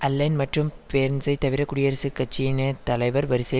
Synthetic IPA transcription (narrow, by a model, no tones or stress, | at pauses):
ʔɐlːɐɪnmɐʈrɯmpeːɾnsɐɪt̪ɐʋɪɾɐkʊɽɪjɐɾɐsɯkːɐt͡ʃːinɐt̪ɐlɐɪʋɐɾʋɐɾɯsɐ